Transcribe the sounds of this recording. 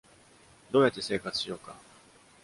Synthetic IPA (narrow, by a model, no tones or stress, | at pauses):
d̪o̞ːjat̪ːe̞se̞ːkat͡sɨ̥ɕijo̞ːka̰